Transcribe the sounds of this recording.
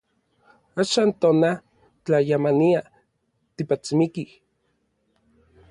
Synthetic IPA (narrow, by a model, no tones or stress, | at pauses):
aʃaːnt̪oːna | t͡ɬajamania | t̪ipat͡simikih